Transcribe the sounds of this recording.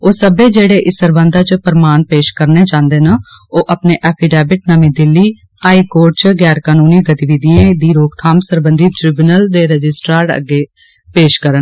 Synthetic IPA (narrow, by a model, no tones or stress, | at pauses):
oːsəbeːd͡ʒeːɽeːʔɪsəɾbə̃nd̪aːt͡ʃpəɾmaːnpeːʃkəɾneːt͡ʃãːnd̪eːnəoːʔəpneːʔɛːpʰiːɖɛːbɪʈ̚nəmiːd̪ɪlːiː | aːiːkoːɾʈ̚t͡ʃɡɛːɾkaːnuːniːɡət̪iʋiːd̪ijẽːd̪iːɾoːkt̪ʰaːmsəɾbənd̪iːʈɾɪbunəld̪eːɾəd͡ʒɪsʈɾaːɾɖə̰ɡeː | peːʃkəɾən